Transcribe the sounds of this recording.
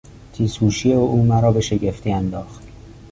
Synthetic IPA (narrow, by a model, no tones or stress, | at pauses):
t̪ʰiːshuːʃieouːmæɾɒːbe̞ʃe̞ɟe̞ft̪ʰiːænd̪ɒːxt̪